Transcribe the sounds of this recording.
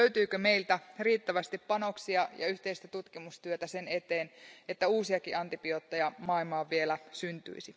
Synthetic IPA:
øyt̪yːkøme̞ilt̪æriːt̪ːæʋæst̪ippɑno̞ksiɑjɑ̰yht̪e̞ist̪æt̪ut̪kimust̪yøt̪æse̞ne̞t̪eːnet̪ːæuːsiɑkiʔɑnt̪ipiot̪ːejɑmɑilmɑːʋielæsynt̪y̰isi

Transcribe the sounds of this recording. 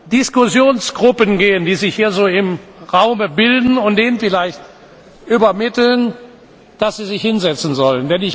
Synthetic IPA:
d̥ɪskʊzjoːnsɡ̥ʁʊpənɡeːəndiːzɪçhiːɐzoːɪmʁaʊməbɪldn̩ʊnt̚d̥eːnənfɪlaɪçt | ʔybɐmɪtl̩n | d̥asz̥iːzɪçhɪnzɛt͡sn̩zɔləndɛnɪç

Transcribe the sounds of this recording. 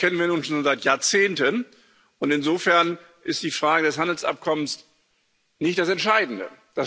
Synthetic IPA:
kʰɛnənviːɐnuːnʃoːnzaɪtjaːɐt͡seːntən | ʔʊntɪnzoːfɛɐn | ʔɪst̚d̥iːfʁ̥aːɡədɛshandl̩sʔa̰p̚kʰɔməns | nɪçtd̥asɛntʃaɪdn̩də̰d̥a

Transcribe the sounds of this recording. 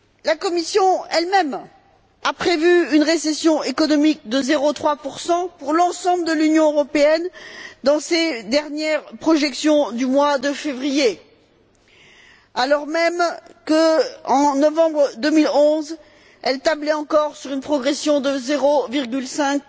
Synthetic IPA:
lakɔmisjɔ̃ɛlmɛm | apχevyynʁesɛsjɔ̃ekɔnɔmik̚d̪əzeʁot̪χwapuʁsɑ̃puʁlɑ̃sɑ̃bld̪əlynjɔ̃øʁɔpeɛnd̪ɑ̃sed̪ɛʁnjɛʁpχɔʒɛksjɔ̃d̪ymwad̪əfevʁije | alɔʁmɛmkəɑ̃nɔvɑ̃bʁəd̪əmilɔ̃z | ɛlt̪ablɛɑ̃kɔʁsyʁynpχɔɡʁesjɔ̃d̪əzeʁoviʁɡʲylsɛ̃k̚

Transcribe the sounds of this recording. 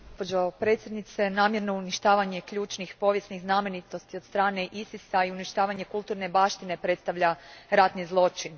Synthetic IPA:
pod͡ʒopɾe̞ːt̪sʲje̞d̪nit̪se̞naːmje̞ɾno̞uniʃt̪aːʋaɲe̞kʎuːt͡ʃnixpo̞ʋje̞sniɣznaːme̞nit̪o̞st̪io̞d̪st̪ɾaːne̞ʔisisaiuniʃt̪aːʋaɲe̞kulˠt̪uːɾne̞baːʃt̪ine̞pɾe̞t̪st̪aʋʎaɾat̪nizlˠo̞t͡ʃin

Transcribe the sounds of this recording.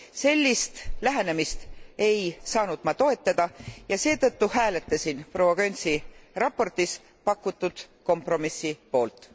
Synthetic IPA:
se̞lʲːist̪læɦene̞mist̪e̞jsɑːnud̪̥mɑt̪o̞e̞t̪ːˑɑd̪̥ɑjɑse̞ːt̪ɤt̪ːuhæːle̞t̪ːˑɑsinpro̞wɑɡønʲsirɑpo̞rt̪is | pɑkːut̪ːˑud̪̥ | ko̞mpro̞misːipo̞ːlt̪ˑ

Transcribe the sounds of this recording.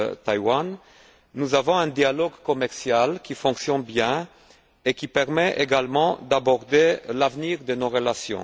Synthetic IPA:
t̪ajwanː | uzavɔ̃ɛ̃d̪jalɔɡkɔmɛʁsjalkʲifɔ̃ksjɔ̃nbjɛ̃ | ekʲipɛʁmɛʔeɡalmɑ̃d̪abɔʁd̪elavniʁd̪ənoʁəlasjɔ̰̃

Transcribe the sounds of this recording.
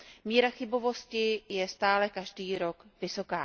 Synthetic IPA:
miːɾaxɪbo̞vo̞scɪjɛst̪aːlɛkaʒdiːɾo̞kvɪso̞kaː

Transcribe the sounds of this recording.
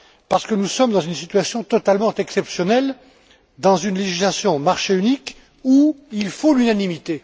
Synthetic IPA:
paʁsə̥kənusɔmd̪ɑ̃zynsit̪ɥasjɔ̃t̪ɔt̪almɑ̃t̪ɛksɛpsjɔnɛl | d̪ɑ̃zynleʒislasjɔ̃maʁʃeynik | uilfolynanimit̪e

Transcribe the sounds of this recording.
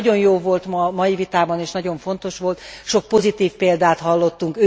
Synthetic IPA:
ɟo̞njoːlvo̞lt̪mɒmɒjivit̪aːbɒneːʃnɒɟo̞ɱfo̞n̪t̪o̞ʃʋo̞lt̪ʃo̞k̚po̞zit̪iːfpeːld̪aːt̪ɦɒlːo̞t̪ːuŋkø

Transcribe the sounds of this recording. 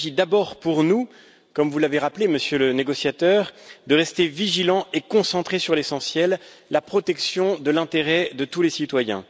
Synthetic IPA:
ʒid̪abɔʁpuʁnu | kɔmvulaveʁapleməsjøləneɡɔsjat̪œʁd̪əʁɛst̪eviʒilɑ̃ekɔ̃sɑ̃t̪χesyʁlesɑ̃sjɛlːapχɔt̪ɛksjɔ̃d̪əlɛ̃t̪eʁɛd̪ət̪ulesit̪wajɛ̰̃

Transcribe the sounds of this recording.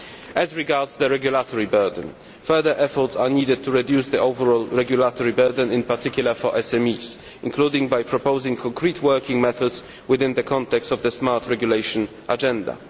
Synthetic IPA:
ʔæzɹɪɡaɹdzðəɹɛɡjʊlatʰɔɹibɜ˞də̃n̩ | fɜ˞ðə˞ʔɛfɔɹtsaniːdɨd̚t̪ʰuɹɛdjusðiʔoʊvəɹɔlˠɹɛɡjulatʰɔɹibɜ˞də̃nɪ̃npatʰɪkjʊl̩ˠəfɔɹʔɛsɛ̃miːz̥ | ɪ̃nkʰludɪ̃ŋbajpʰɹɔpoʊzɪ̃ŋkʰɔ̃ŋkʰɹitʰwɜ˞kɪ̃ŋmɛθɔdz | wɪðɪ̃nðəkʰɑ̃ntɛkstɔvðəsmaɹtʰɹɛɡjuleɪʃə̃n | ʔad͡ʒɛ̃nda̰

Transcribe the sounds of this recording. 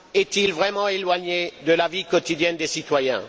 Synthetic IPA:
ɛt̪ilvʁɛmɑ̃elwaɲed̪əlavikɔt̪id̪jɛnd̪esit̪wajɛ̰̃

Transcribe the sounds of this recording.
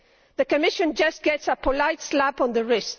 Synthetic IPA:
ðɨkɨmɪʃɨ̃nd͡ʒʌsɡ̥ɛtsəpʰəlaɪtslæpnðəɹɪs

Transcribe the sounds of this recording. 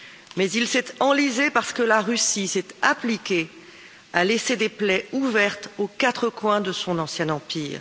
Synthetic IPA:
mɛzilsɛt̪ɑ̃lizepaʁsə̥kəlaʁysisɛt̪aplikʲe | alesed̪eplɛuvɛʁt̪okat̪χəkwɛ̃d̪əsɔ̃nɑ̃sjɛ̃nɑ̃piːʁ

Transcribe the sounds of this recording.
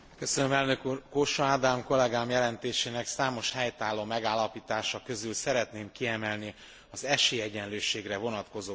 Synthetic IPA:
kø̞sønømɛlnøkuːrkoʃoaːd̪aːmko̞lɛɡaːmjɛlɛnt̪eːʃeːnɛksaːmo̞ʃhɛjt̪aːlːoːmɛɡaːlːɒpiːt̪aːʃɒkø̞zylsɛɾɛt̪neːmkiɛmɛlni | ɒzɛʃeːjɛɟɛnløːʃeːɡrɛvo̞nɒt̪ko̞zoː

